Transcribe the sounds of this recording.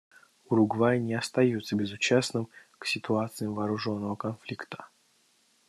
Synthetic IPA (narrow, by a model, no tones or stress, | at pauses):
uɾʊɡvajnʲɪɐst̪ɐjut̪səbʲɪzʊt͡ɕasnɨmksʲɪt̪ʊat̪sɨjəmvɐːɾʊʐo̞nːəvəkɐnflʲikt̪ə̥